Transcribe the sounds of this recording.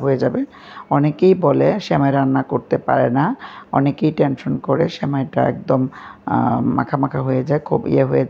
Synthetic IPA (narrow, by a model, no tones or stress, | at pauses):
ɦojed͡ʑabe | ɔnekejboleʃɛmaeɾanːakoɾt̪epaɾenaɔ̰nekejʈenʃonkɔɾḛʃɛmaeʈa̰ɛ̰k̚d̪omː | a̰kʰamakʰaɦojed͡ʑaekʰubḭeɦoje